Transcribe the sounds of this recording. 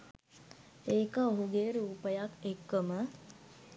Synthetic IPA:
eːkəoɦuɡeːɾuːpəjakekːəmə

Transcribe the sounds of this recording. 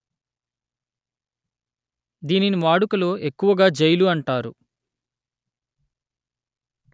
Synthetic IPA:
d̪iːninimaːɽukɐlo̞ːe̞kːuʋɐɡaːd͡ʒejluɐɳʈaːɾu

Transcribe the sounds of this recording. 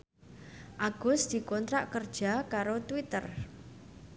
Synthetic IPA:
ʔaɡ̥ʊ̤sd̪̥i̤kɔnt̪ɾaʔkərd̥ʒ̥a̤kaɾot̪wit̪ər

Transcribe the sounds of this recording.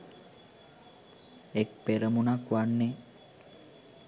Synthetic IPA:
ek̚peɾəmunakʋanːe

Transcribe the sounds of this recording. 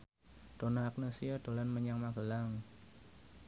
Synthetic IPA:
d̥onaːk̚nasiad̥o̤lanməɲaŋmaɡə̤laŋ

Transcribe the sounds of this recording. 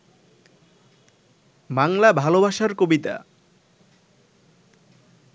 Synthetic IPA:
baŋlabʱalobaʃaɾkobit̪a̰

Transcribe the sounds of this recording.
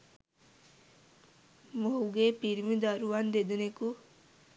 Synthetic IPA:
mouɡepiɾmid̪aɾuand̪ed̪əneku

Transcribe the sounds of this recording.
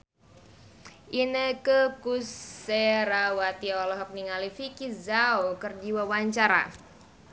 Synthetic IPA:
ʔinəkəkuseɾawat̪iɔlɔɦɔk̚niŋalifikizawkərd͡ʒiwawaɲt͡ʃaɾa̰

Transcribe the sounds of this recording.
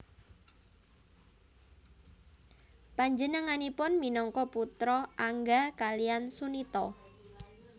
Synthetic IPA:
paɲd͡ʒənəŋanipʊnminɔŋkɔput̪ɾɔʔaŋɡakalijansunit̪ɔ

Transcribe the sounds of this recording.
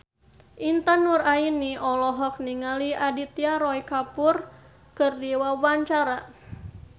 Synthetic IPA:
ʔint̪anurainiɔlɔɦɔk̚niŋaliʔadit̪iaɾɔikapur | kɨrdiwawaɲt͡ʃaɾa

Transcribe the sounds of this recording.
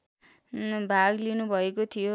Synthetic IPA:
bʱaɡlinubʱʌekot̪ʰijo

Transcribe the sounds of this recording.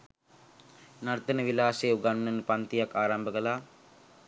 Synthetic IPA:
naɾt̪ənəʋilaːseːuɡannənpant̪ijakːaːɾambəkəlaː

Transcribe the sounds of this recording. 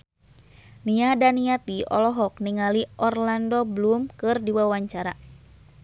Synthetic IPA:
niadaniat̪iɔ̰lɔɦɔk̚niŋaliʔɔrlandɔblumkɨrdiwawaɲt͡ʃaɾa

